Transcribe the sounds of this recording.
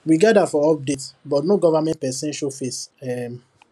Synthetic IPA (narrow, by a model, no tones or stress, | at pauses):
wiɡadafɔɔp̚detbɔtnoɡɔvamɛ̃nt̚pɛsɛ̃nʃofesɛm